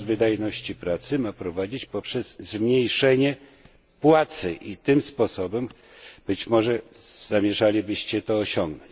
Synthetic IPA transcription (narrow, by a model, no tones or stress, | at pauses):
vɘd̪ajnɔɕt͡ɕipɾat̪sɘmapɾɔvad͡ʑit͡ɕpɔpʂɛz̥zmɲejʂɛɲɛ | pwat̪sɘ̰ʔit̪ɘmspɔsɔbɛm | b̥ɘt͡ɕmɔʐɛz̥amʲjɛʐalʲibɘɕt͡ɕɛt̪ɔːɕɔŋɡnɔ̃ɲt͡ɕ